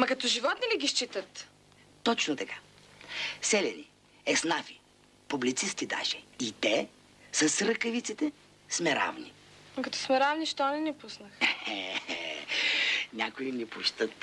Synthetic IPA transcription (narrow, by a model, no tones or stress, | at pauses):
mɐkɐt̪ɔʒivɔt̪niliɡʲiʃt͡ʃit̪ət̪ | t̪ɔt͡ʃnot̪ɐkḁ | sɛlɛni | ɛsnafi | publit̪sist̪id̪a̰ʃɛit̪ɛ | səsɾəkɐvit̪sit̪ɛ | smɛɾa̰vni | ɐkɐt̪ɔ̥smɛɾavniʃt̪ɔnɛnɛpusnəxɛ | nʲakʊinipuʃt̪ət̪